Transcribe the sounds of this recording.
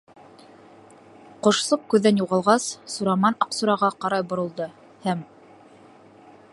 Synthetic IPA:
qŏʃsˠɤp̚kʉðːænjuʁɑlˠʁɑsːuɾɑmɑnɑqsuɾɑʁɑqɑɾɑjbŏɾɤ̆lˠd̪ɤ | hæm

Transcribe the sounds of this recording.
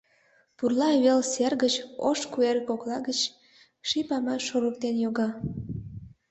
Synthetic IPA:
purlɑwelserɣət͡ɕo̰ʃkuerkoklɑɣət͡ɕ | ʃipɑmɑʃoɾək̚t̪enjoɣɑ

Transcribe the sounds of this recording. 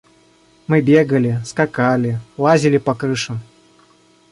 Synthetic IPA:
mɨbʲeɡəlʲɪskakalʲɪlˠazʲɪlʲɪpɐkɾɨʂɨm

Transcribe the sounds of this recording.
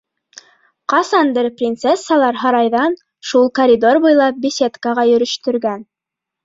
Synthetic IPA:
qɑsɑnd̪ɘɾprʲint̪sesːɑlˠɑɾɦɑɾɑjðɑn | ʃulˠkɐɾʲid̪o̞rbujlˠɑp̚bʲisʲet̪kəʁɑjɵ̆ɾɵ̆ʃt̪ɵ̆ɾɡæn

